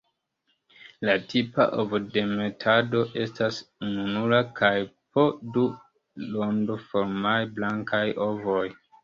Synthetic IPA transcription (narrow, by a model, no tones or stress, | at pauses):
latʰipa̰ʔovde̞me̞tʰado̞ʔe̞stasununulakʰajpʰo̞du | londofoɾmajblaŋkajo̞voj